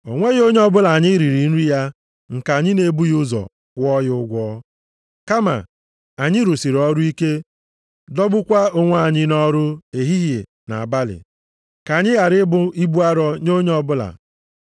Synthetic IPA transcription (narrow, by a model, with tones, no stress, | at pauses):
o˨ŋʷe˦ɣo˦ɲ˦ɔ˦bʊ˦la˨a˨ɲɪ˦ɾi˨ɾi˨n̩˦ɾi˦ja˦ | ŋ̩˨ka˨ɲɪ˦ne˨˦bu˦jʊ˦zɔ̰˨ | kʷɔ˦jʊ˦ɡʷɔ˦ | ka˦ma̰˨ | a˨ɲɪ˦ɾu˨si˨ɾɔ˦ɾʊ˦i˦ke˦ | dɔ˦bʊ˦kʷa˦o˦ŋʷ˦a˨ɲɪ˦nɔ˦ɾʊ˦e˨ɦi˦ɦje˨ | na̰˨a˨ba˦lɪ̰˨ | ka˨ɲɪ˦ɣa˨ɾɪ˦bʊ˦i˦bu˦a˦ɾɔ˦ɲo˦ɲ˦ɔ˦bʊ˦la̰˨